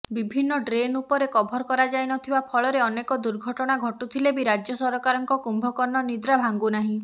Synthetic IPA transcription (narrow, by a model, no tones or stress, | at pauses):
bibʱinːɔɖɾenupɔɾekɔbʱɔɾɔkɔɾad͡ʒajnɔt̪ʰibapʰɔɭɔɾeɔnekɔd̪uɾɡʱɔʈɔɽ̃aɡʱɔʈut̪ʰilebiɾad͡ʒjɔsɔɾɔkaɾɔŋkɔkumbʱɔkɔnːɔnid̪ɾabʱaŋɡunaɦĩ